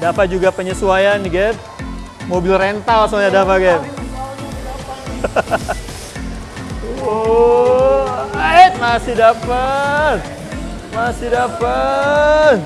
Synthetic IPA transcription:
dapat̪̚d͡ʒuɡapəɲəsuajanɡɛt̪̚ | mobɪlrent̪alsoɲadapaɡa | t̪̚masɪdapat̪̚ | masɪdapa | t̪̚

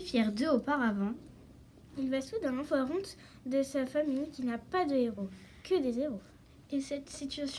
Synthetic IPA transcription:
fjɛʁd̪øopaʁavɑ̃ | ilvasud̪ɛ̃nɑ̃vwaʁɔ̃t̪ | d̪əsafamijkʲinapad̪əeʁokəd̪ezeʁo | esɛt̪sit̪ɥasj

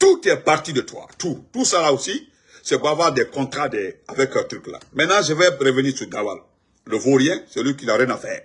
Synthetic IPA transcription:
t̪ut̪ɛpaɾt̪idət̪wa̰t̪utusalaosi | sɛbavwaɾdɛkɔ̃t̪ɾadɛavɛkt̪ɾykla̰mɛ̃tnãʒəvɛɾəvəniːɾsyɡawa̰l | ləvoɾjɛ̃sɛlɥikilaɾjɛ̃nafɛː

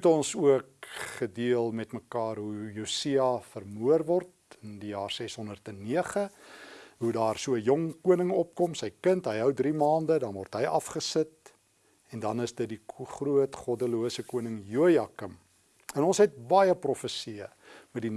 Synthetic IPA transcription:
tɔnsuək̚χədiəlˠmɛtməkɑːrɦujusiɑfərmuərvɔrt | əndijɑːrsɛsɦɔndərtɛnːiəχə | ɦudɑːrsuəəjɔŋkuənəŋɔp̚kɔmsəjkəntɦəjɦəwdrimɑːndədɐnvɔrtɦəjɐfχəsət̚ | ɛndɐnəsdət̚diχruətχɔdəluəsəkuənəŋjuəjɑkəm | ənɔnsɦɛt̚bɑjəprɔfəsiə | mɛdin

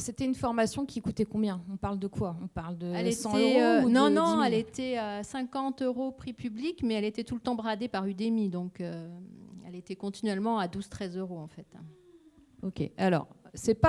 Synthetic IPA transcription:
set̪ɛynfɔʁmasjɔ̃kʲʰikut̪ɛkɔ̃bjɛ̃ɔ̃paʁld̪əkwaɔ̃paʁld̪əɛlestɑ̃ɛøonɔ̃nɔ̃ɛlet̪ɛasɛ̃kɑ̃t̪øʁopχipyblikmɛɛlet̪ɛt̪ulət̪ɑ̃bʁad̪epaʁyd̪emid̪ɔ̃kø | ɛ̰let̪ɛkɔ̃t̪inɥɛlmɑ̃ad̪uzt̪χɛzøʁoɑ̃fɛt̪ɛ̰̃ | okʲḛalɔ̰ʁsɛpa

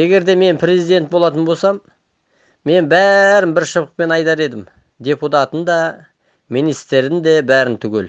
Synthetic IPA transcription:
e̞ɡʲe̞ɾd̪e̞me̞npʰre̞zijd̪e̞nt̪̚bolˠɑt̪ənbolsɑmː | e̞nbæɾɪnbɪɾʃəbəq̚pe̞nɑjt̪ɑɾe̞d̪ɪm | d̪ʲe̞put̪ɑt̪ənd̪ɑ | mijnijst̪eɾɪnd̪e̞bæɾɪnt̪ʰʏɡʲe̞l

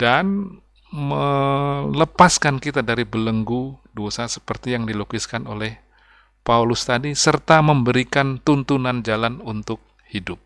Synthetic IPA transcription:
d̥an | mə | ləpaskankit̪adaɾibələŋɡudosasə̥pərt̪ijaŋdilokɪskanolɛh | paulʊst̪adisərt̪aməmbəɾikant̪unt̪unand͡ʒalanunt̪ʊk̚ | hidʊp̚

